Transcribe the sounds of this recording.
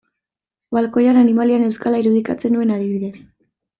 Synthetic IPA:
βalko̞jananimaliane̞wskalaiɾuð̞ikat͡se̞nue̞naðiβiðe̞s

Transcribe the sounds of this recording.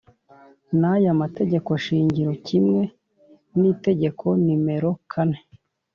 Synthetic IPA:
najamate̞ɟe̞ko̞ʃiːɲɟiɾo̞cʰimŋe̞ | niːte̞ɟe̞kʰo̞nime̞ɾo̞kʰane̞

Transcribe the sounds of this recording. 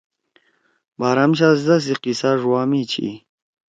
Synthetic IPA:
baːɾamɕ̬azd̪ɐs̬iqisaʐwaːmit͡ɕʰḭ

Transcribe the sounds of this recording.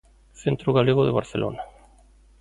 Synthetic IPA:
θent̪ɾoɣaleɣoðeβa̰ɾθelʔo̰na

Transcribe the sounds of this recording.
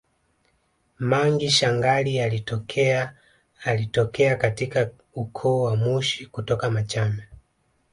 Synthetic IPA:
maŋɡiʃaŋɡalialitɔkʰɛ | alitɔkɛakatika | ukʰɔwamuʃikutɔkamat͡ʃamɛ

